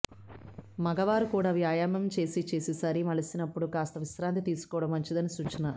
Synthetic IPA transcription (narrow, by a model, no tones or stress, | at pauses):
mɐɡɐʋaːɾukuːɽaːʋjaːjaːmɐmt͡ʃe̞ːsit͡ʃe̞ːsisɐɾimɐɭɐsinɐpːuɽukaːst̪ɐʋisɾaːnt̪̬it̪iːsu̥kɔːɽɐmːɐɲt͡ʃid̪ɐnisuːt͡ʃːina